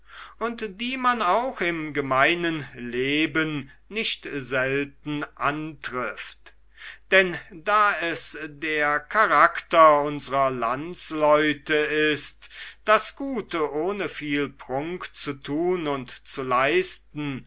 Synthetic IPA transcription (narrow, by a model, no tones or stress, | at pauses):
ʔʊntd̥iːmanaʊxɪmɡəmaɪnənleːbənː | ɪʃtzɛltn̩ʔantʁ̥ɪft | d̥ɛndaːɛsdeːɐkʰaʁaktɐʊnzəʁɐlant͡slɔʏtəɪstd̥asɡ̥uːtəʔoːnəfiːlpʁ̥ʊŋkt͡sutʰuːnʊntt͡sulaɪstn̩